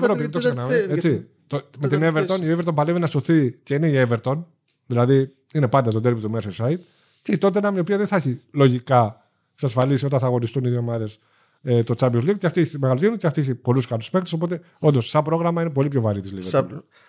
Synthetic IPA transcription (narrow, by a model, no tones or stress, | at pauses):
evɾoiet̪osenɐet͡si | t̪omet̪ineveɾt̪o̞nioeveɾt̪o̞npɐlevenɐso̞θice̞ineieve̞ɾt̪o̞n | ðilɐði | inepɐnd̪ɐst̪od̪elpit̪umesesɐit̪ | ceit̪o̞t̪enɐmiopiɐðenθɐçilo̞ʝikɐ | ksɐsfɐlisio̞t̪ɐnθɐɣo̞nist̪uniðiomɐðe̞s | et̪o̞t͡sɐbiozlik̚ceft̪ieçemeɣɐlot̪inuceɐft̪ieçepo̞luskɐluspe̞kt̪eso̞po̞t̪e̞ | ond̪osːɐpɾo̞ɣɾɐmɐinep̬o̞lipço̞vɐɾit̪izliveɾo